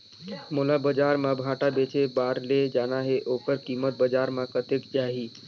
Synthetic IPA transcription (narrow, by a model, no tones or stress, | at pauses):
mulabəd͡ʒaɾmãbʱaʈabet͡ʃebaɾled͡ʒanaɦeʔokəɾkimət̪̚bəd͡ʒaɾmãkət̪ekd͡ʒaɦi